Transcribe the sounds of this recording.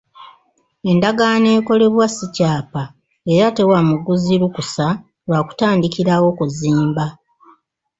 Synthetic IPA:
e̞ndaɡane̞ːko̞le̞βwasicaːpa | e̞ɾate̞wamuɡuziɾukusa | lwaːku̥taːndikiɾawo̞kuziːmba

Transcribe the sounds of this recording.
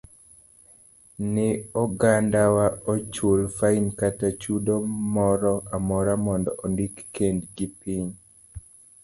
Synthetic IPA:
nɪɔɡandawaɔt͡ʃolfainkatat͡ʃudomɔɾɔʔamɔɾamɔndɔ̰ʔɔndikːendɡipiɲ

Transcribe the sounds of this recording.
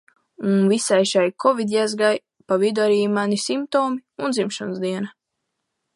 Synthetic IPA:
unvisajʃajkʰɔvid̪ʲjazɡaj | pavid̪ɔaɾiːmanisimp̚t̪ɔːmiund̪zimʃɔnzd̪iɛna

